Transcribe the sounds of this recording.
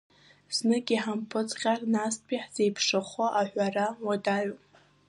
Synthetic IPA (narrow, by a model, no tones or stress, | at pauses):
z̥nɨɡʲiħampʰɨt͡sʼχʲarnaspʰiħz̥e̞jpʰʂɨχʷaʔaħᶣʷarawadaɥo